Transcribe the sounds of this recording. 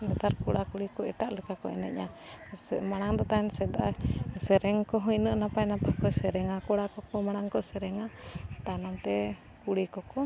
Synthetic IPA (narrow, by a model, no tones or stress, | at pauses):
nɛd̪aɾkɔɽakuɽikɔɛʈaʔləkakɔɛ̰nɛ̰cɲa | maɽ̃aŋd̪ɔt̪aɛnsɛd̪aʔasɛɾɛŋkɔɦɔɲnəʔnapajnapakɔsɛɾɛŋakɔɽakɔkɔmaɽ̃aŋkɔsɛɾɛŋat̪anɔmt̪ɛ | kuɽikɔkɔ